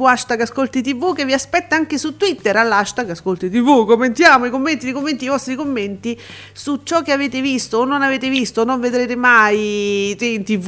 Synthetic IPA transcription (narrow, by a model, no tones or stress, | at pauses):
uaʃt̪aɡaskolt̪it̪̬ivukːevːiaspɛt̪ːaaŋk̟esut̪ːwit̪ːeɾalːaʃt̪aɡaskolt̪it̪̬ivukomːent̪jaːmoikomːent̪id̪ejkomːent̪ijvɔst̪ɾikomːent̪i | sut͡ʃɔkːeaveːt̪evist̪oːnːonaveːt̪evist̪onːoɱved̪ɾeːt̪emajt̪int̪iv